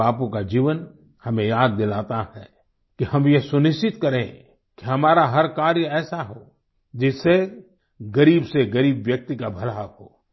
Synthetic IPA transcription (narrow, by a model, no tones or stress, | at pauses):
aːpõkad͡ʒiːʋən | hɐmẽjaːd̪̚ːɪlaːt̪ahɛ̰ | kihɐmjesʊnɪʃt͡ʃɪt̪kɐɾẽ | kiɦɐmaːɾaɦɐɾkaːɾjəɛːsaɦoː | d͡ʒɪse | ɡɐɾiːbseɡɐɾiːbʋjɐk̚t̪ikabʱɐlaɦo̰ː